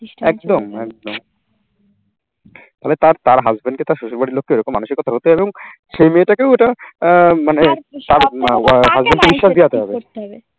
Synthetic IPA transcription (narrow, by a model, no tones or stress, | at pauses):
ɛk̚d̪omɛk̚d̪om | t̪aɦelet̪aɾt̪aɾɦazbenɖket̪aɾʃuʃulbaɖilokːeoeɾɔkomːanuʃikːɔt̪ʰaɦot̪eeboŋ | ʃejmeʈakeweʈa | manet̪aɾɦazbenɖʈkebiʃːaʃd̪ijat̪eɦɔbe